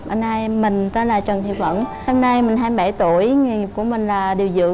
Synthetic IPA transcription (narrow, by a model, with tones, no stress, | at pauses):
ɓa˧na˧jmï˨˩ŋ̟t̪aː˧˦laː˨˩t͡ɕə˨˩nt̪ʰḭ˧˨wvə̰˧˨n | ho˧mna˧jmï˨˩ŋ̟ɦaː˧m˧ɓa˧˩jt̪u˧˩əjŋi˨˩ŋi˨˩p̚ku˧˩əmï˨˩ŋ̟laː˨˩ɗi˨˩əwzɨ̰˧˨ə